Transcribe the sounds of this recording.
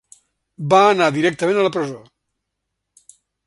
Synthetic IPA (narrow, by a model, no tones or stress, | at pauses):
baːnaðiɾɛk̚t̪əmẽnələpɾəzo